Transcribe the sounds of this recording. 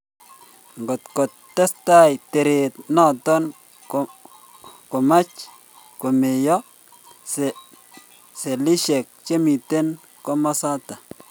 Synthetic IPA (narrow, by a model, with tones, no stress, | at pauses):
ŋɡo˨t̪ko˨tːɛ˦sta˦jte˨ɾe˨t̪nɔ˦˨tɔ˦n | kʊ˨ma˦t͡ʃ | kʊ˨mɪ˨jɔ˦ | s | se˨li˦ʃe˨k̚t͡ʃe˦mi˨te˦n | kɔ˦mɔ˦sa˦ta˨